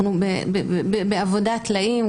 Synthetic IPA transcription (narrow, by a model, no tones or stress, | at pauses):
nubebebebeavod̪at̪laim